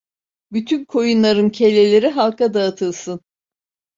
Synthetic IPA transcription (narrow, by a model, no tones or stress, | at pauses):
byt̪ʰynkʰo̞junlˠaɾɯmcʰe̞lʲe̞lʲeɾiɦalˠkʰad̪aːt̪ʰɯlˠsɯn